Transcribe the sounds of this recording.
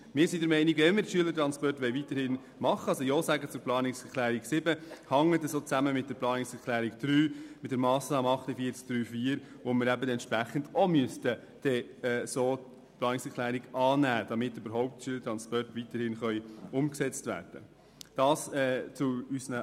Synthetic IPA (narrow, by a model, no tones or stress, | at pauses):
mɪːɾsidəɾmɛɪniɡʋɛnmɪɾtʃyələɾtɾɑnspɔrtʋɛɪvitəɾhɪn | mɑχːəɑsojɔːsæɡət͡sʊɾplɑːnɪksɛɾklæːɾiksɪbəhɑŋətəsot͡sæməmɪt̚d̥ɛɾplɑːnɪksɛɾkʰlæːɾikd̥ɾyːmɪt̚d̥əɾmɑːsnɑːməɑχtəfiːɾt͡sk̚d̥ɾyːfiːəɾ | ʋomɪɾæbədɛnt̪ʃpɾæχəndɔmyəstə | d̥ɛsoː | plɑːnɪksɛɾkʰlæːɾiɡɑːnæːd̥ɑmɪtːøbəɾɦɔʊp̚tʃyələtɾɑnspɔrtʋitəɾhɪnχœʏʊmksɛt͡stvæ̰ːɾd̥ə | d̥ɑːsɛːt͡sʊysnə